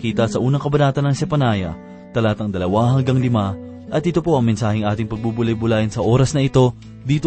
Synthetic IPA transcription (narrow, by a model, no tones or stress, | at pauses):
kiːt̪ɐsɐʔuːnɐŋkɐbɐnaːt̪ɐnːɐŋsɛpɐnaːjɐ̰ | t̪ɐlaːt̪ɐŋd̪ɐlɐwaɦɐŋɡɐŋlɪma | ʔɐt̪̚ːɪt̪o̞po̞ʔɐŋmɛnsaːhɪŋʔaːt̪ɪŋpɐɡ̚bubʊlɐjbʊlaːʔɪnsɐʔo̞ːɾɐsnɐʔɪt̪o̞ | d̪iːt̪o